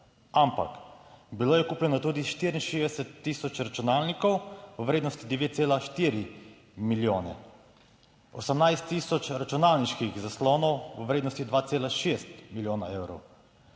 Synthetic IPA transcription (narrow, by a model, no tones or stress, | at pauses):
ampa̰kbiloːjɛkuːpljɛnɔt̪uːd̪iʃt̪iɾinʃezd̪ɛsɛt̪ːiːsɔt͡ʃɾat͡ʃunaːlnikɔwʋəʋɾeːd̪nɔst̪id̪ɛʋeːt̪seːlaʃt̪iːɾi | miljoːnɛ̰ | ɔsəmnajst̪ːiːsɔt͡ʃɾat͡ʃunaːlniʃkixzaslɔːnɔwʋəʋɾeːd̪nɔst̪id̪ʋaːt̪seːlaʃeːst̪miljoːnaeːwɾɔw